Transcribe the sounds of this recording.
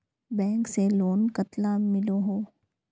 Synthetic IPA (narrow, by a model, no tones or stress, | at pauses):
bɛ̃ːŋkseloːnkɐt̪lamɪloɦoː